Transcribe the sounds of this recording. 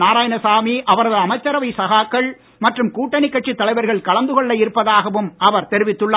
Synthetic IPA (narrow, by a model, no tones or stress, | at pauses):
naːɾaːjɐnɐsaːmiʔɐʋɐɾɐðɯɐmɐɪt͡ʃːɐɾɐʋɐɪsɐɣaːkːɐɭ | mɐʈrɯmkuːʈːɐɳɪkːɐʈt͡ʃːit̪ːɐlɐɪʋɐɾɣɐɭkɐɭɐnd̪ɯɣɔɭːɐɪɾɯpːɐðaːɣɐʋɯmɐʋɐɾt̪ɛɾɪʋɪt̪ːɯɭːa